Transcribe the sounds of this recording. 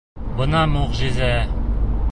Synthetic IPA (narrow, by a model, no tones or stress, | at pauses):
bɤ̆nɑmoʁʑɘ̆zæ